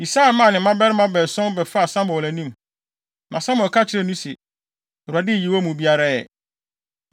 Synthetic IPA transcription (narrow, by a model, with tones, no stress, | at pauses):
i˨sa˦˨˦mã˦˨nɪ̃˨˦mã˦bɛ˦ɾɪ˦mã˦bɛː˨sɔ̃˦n˦bɛ˨fa˦a˨sã˦mbɔ˨læ˨nĩ˦m | nʔã˨sã˦mɔ˨kʰa˦t͡ɕʰɪ˨ɾɛ˦˨nũ˦sɪ˨ | ɔ˨ɾu˨a˨dɪ˦˨ji˨wo˦mũ˨bi˦a˦ɾa˦ɛ˨